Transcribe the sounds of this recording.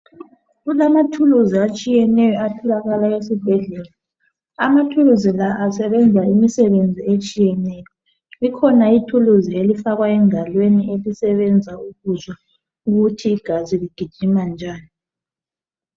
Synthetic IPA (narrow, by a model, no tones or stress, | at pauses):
ɣulamatʰuluziat͡ʃʼijɛnɛjɔatʰɔlaɣalaesib̥ʱɛɮɛːla | amatʰuluzilaʔasɛβɛnd͡zʱaimisɛβend͡zʱiet͡ʃʼijɛnɛjɔ | ikʰɔnaitʰuluzielifaɣwaɛŋalweniʔelisɛβɛnd͡zʱauɣuzɔ | uɣutʰiːɡ̥ʱaziliɡ̥ʱid̥ʒ̥ʱimand͡ʒʱaːni